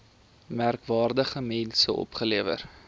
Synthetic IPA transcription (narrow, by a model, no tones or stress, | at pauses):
mærkvɑːrdəχəmɛnsəʔɔ̰pχəliəvə̰r